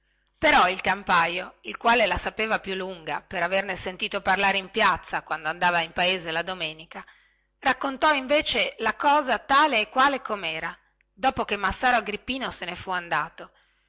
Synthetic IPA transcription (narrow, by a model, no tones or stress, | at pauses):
peɾɔilkampajoilkwaːlelasapeːvapjulːuŋɡa̰peɾavernesent̪iːt̪oparlaːɾeimpjat̪sːakwand̪oand̪aːvaimpaeːzelad̪omeːnika | rakːont̪ɔiɱveːt͡ʃelakɔːzat̪aːleːkːwaːlekomɛːɾa | d̪ɔːpokemːasːaːɾoaɡɾipːiːnosenefuand̪aːt̪o